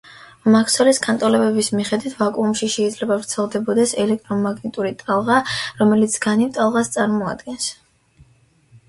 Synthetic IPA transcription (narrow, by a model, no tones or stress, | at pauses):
makʰsɔliskʰant̪ʼɔlɛbɛbismiχɛd̪wit̪ʰvakʼuːmʃiʃɛid̪zlɛbavɾt̪sʰɛlˠd̪ɛbɔd̪ɛsɛlɛk̚ʰt̪ʼɾɔmaɡnit̪ʼuɾit̪ʼalˠʁaɾɔmɛlit̪sʰɡ̥anivt̪ʼalˠʁast̪sʼaɾmɔa̰d̪ɡɛns